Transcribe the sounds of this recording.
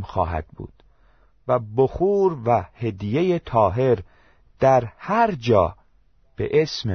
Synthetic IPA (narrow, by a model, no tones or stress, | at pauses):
mxɒ̰ːɦæ̰d̪̥̚bṵːd̪̥ | væboxuːɾvæhe̞d̪ijejet̪ʰɒːɦe̞ɾ | d̪̥æɾhæɾd͡ʒɒː | b̥ḛʔesme